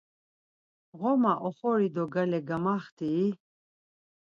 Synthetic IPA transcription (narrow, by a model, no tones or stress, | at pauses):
ʁɔmaʔɔχɔɾid̪ɔɡalɛɡamaχt̪ʰiː